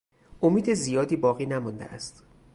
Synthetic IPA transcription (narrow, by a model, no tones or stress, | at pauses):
ʔomiːd̪ezijɒːd̪iːbɒːɣiːnæmɔnd̪ḛʔæst̪